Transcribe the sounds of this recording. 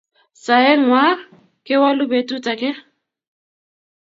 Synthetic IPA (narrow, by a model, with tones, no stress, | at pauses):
sa˨ɪ˦ŋ̩wa˦ | kʼɪ˦wa˦lʊ˦be˨tʼu˦t͡sʼa˨kʼɪ˦